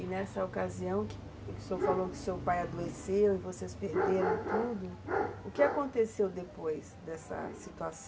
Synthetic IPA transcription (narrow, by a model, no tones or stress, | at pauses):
ɪnɛsɐokaziɐ̃w̃kɪ̥ | ksofalowkɪʊ̥sewpajad̪oesewɪvosespeɾd̪eɾɐ̃w̃t̪ud̪ʊʊkɪakõnt̪esewd̪epojsd̪ɛsɐ̰sit̪uas